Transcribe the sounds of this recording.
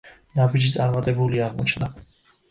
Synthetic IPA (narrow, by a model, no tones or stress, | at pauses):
nabid͡ʒit̪sʼaɾmat̪ʼɛbuliaʁmɔt͡ʃʰna